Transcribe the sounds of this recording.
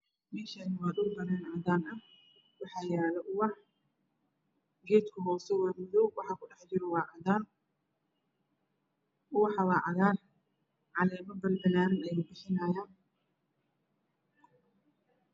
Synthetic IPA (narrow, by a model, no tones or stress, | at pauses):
mɛːʃɐnɐwaːɗ̪ʊɡbɐnɛːnʕɑd̪aːnɐ | wɑħɑːjaːlɐʔʊwɑħ | ɡɛːt̪kʰʊɦɔːsɔwamɪðɔwɑħɑkʰʊɗɑħd͡ʒɪɾɔwɑːʕɑðaːn | ʊwɑħɑwɑːʕɑðaːr | ʕɑlɛːmɐbɐlbɐlaːnnɛjʊbɪħɪnaːjaːn